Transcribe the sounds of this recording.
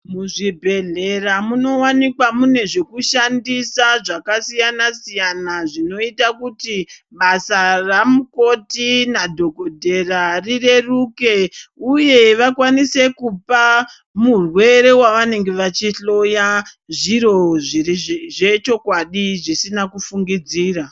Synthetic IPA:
muʐibʱe̞ɮe̞ramuno̞wanikwamune̞ʐe̞kuʃandisaʐakasijanasijanaʐino̞itakuti | ɓasaramuko̞tinadʱo̞kodʱe̞rarire̞ruke̞uje̞ʋakwanise̞kupa | murwe̞ɾe̞waʋane̞ŋɡe̞ʋat͡ʃiɬo̞ja | ʐiɾo̞ʐiiʐet͡ʃo̞kwaɗiʐisinakufuŋɡid͡ziːra

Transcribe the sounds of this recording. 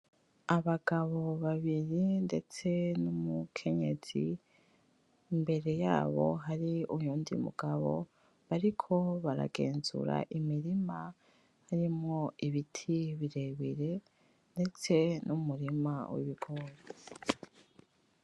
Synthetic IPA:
aβaɡ̥aβo̞βaβiɾinde̞t͡se̞numukʰe̞ɲe̞̰z̥ḭ | imbe̞ɾe̞jaːβo̞̰ɦaɾiuɲuːndḭmṵɡ̥aβo̞̰ | βaɾikʰo̞βaɾa̰ɡe̞ːnzṵɾa̰ʔimiɾima | haɾimŋo̞iβitʰiβiɾe̞βiɾe̞ | nde̞t͡se̞nʔumuɾimawḭβiɡoɾ

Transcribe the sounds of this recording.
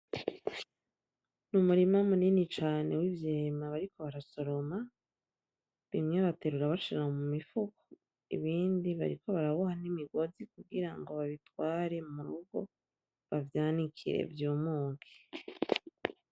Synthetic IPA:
numuɾimamuninit͡ʃaːne̞wivjeːmaβaɾiko̞βaɾaso̞ɾo̞ma | βimŋeβate̞ɾuɾaβaʃiɾaŋomumifuko̥ | ḭβiːndiβa̰ɾiko̞βaɾaβuhanimiɡo̞zikuɡiɾaŋɡo̞βaβitwaːɾe̞muɾuɡo̞̰ | βavjaːnikʰḭɾḛvjuːmuːŋɡe̥

